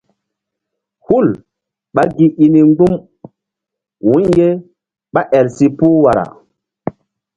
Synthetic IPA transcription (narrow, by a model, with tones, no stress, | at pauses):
hu˦˨l | ɓa˦ɡi˨i˨ni˨ŋɡ͡bu˦m | wũ˨˦ɲje˦ | ɓa˦ʔɛ˨lsi˨pu˦wa˨ɾa̰˨